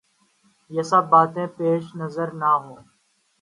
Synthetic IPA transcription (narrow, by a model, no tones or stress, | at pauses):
jeːsabbaːt̪ẽːpeːʃnəzəɾnaːɦõː